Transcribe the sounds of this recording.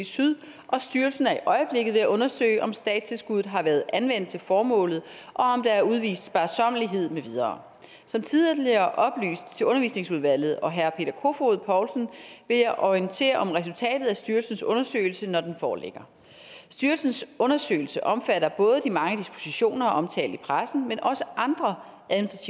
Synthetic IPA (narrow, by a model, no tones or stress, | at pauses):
syðˠ | ʔɒ̽sd̥yɐlsn̩æɐiʔɒ̽ɪəb̥le̝ɡ̥ð̩ˠʋe̝jæʔɔ̽nɐsø̰ɪʔɒ̽msd̥ɛ̰ːd̥st͡sʰe̝lsɡ̥uð̞̩ˠɦɑ̈ʋæːɐðˠænʋen̰d̥̚t͡sʰe̝lfɒːmɔ̰̽ːlð̩ˠ | ʔɒ̽ɒ̽md̥ɑ̈æɐuðˠʋḭːsd̥sb̥æɐsɒ̽m̰əliɦe̝ð̞̰ˠmeʋið̞ˠɐː | sɒ̽mt͡sʰið̞ˠliɐʔɒ̽b̥ly̰ːsd̥t͡sʰe̝ɔ̽nɐʋḭːsne̝ŋsuð̞ˠʋæl̰ð̞̩ˠɒ̽ɦæɐpʰe̝̰ːd̥ɐkʰo̝foð̞̩ˠpʰɒʊlsn̩ʋe̝ljɑ̈ɪʔɒint͡sʰe̝̰ːɐʔɒ̽mʁɛs̬ult͡sʰɛ̰ːd̥ð̞̩ˠæsd̥yɐlsn̩sɔ̽nɐsø̰ːɪl̩sənɒd̥enfɒːle̝ɡ̥ɐ | sd̥yɐlsn̩sɔ̽nɐsø̰ɪl̩səʔɒ̽mfæɾɐb̥ɔ̽ːð̞ˠəd̥imɑ̈ŋəd̥isb̥o̝siɕo̝̰ːnɐɒ̽ʔɒ̽mt͡sʰɛ̰ːld̥ipʰʁasn̩menʔɒ̽səʔɑ̈nd̥ʁɐ | ʔæð̩ˠminisd̥ʁɑt͡sʰi